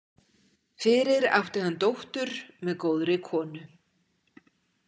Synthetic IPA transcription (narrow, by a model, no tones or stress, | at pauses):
fɪɾɪɾa̰wht̪ɪhanːt̪owht̪ʏɾ̥mɛðkoːwðɾɪkʰɔːnʏ